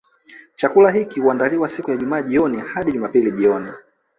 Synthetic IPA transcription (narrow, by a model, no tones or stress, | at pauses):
t͡ʃakulaɦikihuandaliwasikujaʄumaːʄiɔnihaɗiʄumapiliʄiɔni